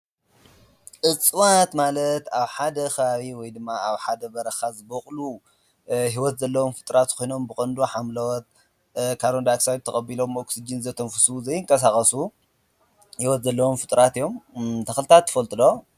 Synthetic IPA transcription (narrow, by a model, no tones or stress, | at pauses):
ʔɨt͡sʼwat̪malɐt̪aβħad̪ɐxɐβaβiwɔjd̪ɨmːaaβħad̪ɐbɐɾɐxazɨboχʼlu | ɦiwɔt̪zɐlːɐwomfɨt̪ʼɾat̪kʰojno̞mbɨkʼɐnd̪oħamlɐwɔt̪̚ | kʰaɾond̪aksaj̚t̪ʰɐxʼɐbilo̞moksid͡ʒinzɐt̪ʰɐmfɨsuzɐjːɨŋkʼɐs̬axʼɐsu | hiwɔt̪zɐlːɐwomfɨt̪ʼɾat̪ijo̞mt̪ʰɐxlɨt̪ʰat̪ʰːɨ̥fɐlt̪ʼɨlo